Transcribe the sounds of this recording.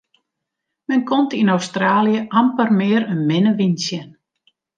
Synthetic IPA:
mɛnkomtinowstraːljəʔampərmɪəɾənmɪnəʋinsjən

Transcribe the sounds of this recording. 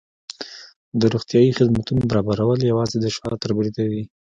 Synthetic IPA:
d̪əɾuɣt̪jɑjixɪd̪mat̪unobaɾɑbaɾawəljawɑzed̪əʃɑt̪əɾbɾid̪awi

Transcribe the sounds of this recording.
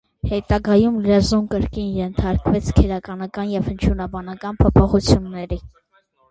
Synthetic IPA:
hɛt̪ɑɡɑjumlɛzumkəɾkinjɛnt̪ʰɑɾkvɛt͡sʰkʰɛɾɑkɑnɑkɑnjɛvhənt͡ʃʰjunɑbɑnɑkɑnpʰɔpʰɔχut͡sʰjunːɛɾi

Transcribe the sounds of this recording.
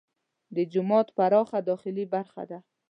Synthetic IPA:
d̪əd͡ʒʊmɑt̪paɾɑχad̪ɒχɪlibaɾxa̰d̪a

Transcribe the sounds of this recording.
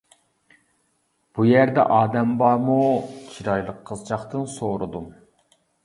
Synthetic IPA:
b̥ujæɾd̪ɛ̰ʔɑːd̪ɛmbɑɾmut͡ʃʰiɾɑjlˠəqʰːəzt͡ʃɑχt̪ɨnsoɾɨd̪u

